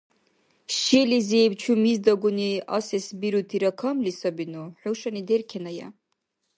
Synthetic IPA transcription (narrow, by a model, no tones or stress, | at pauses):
ʃilizejbt͡ʃʰumizdaɡʷʊnia̰sesbiɾutʰiɾakʰamlisabinoħowʂaniderkʲʰanaja̰